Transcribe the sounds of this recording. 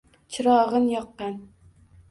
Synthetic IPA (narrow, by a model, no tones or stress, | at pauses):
t͡ʃʰɪɾɒʁɨnjɒqːɑn